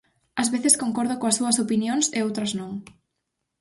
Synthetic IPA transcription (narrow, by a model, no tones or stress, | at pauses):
ɐzβeθeskoŋkɔɾðʊkõɐsːuɐsopinjoŋseowt̪ɾɐznõŋ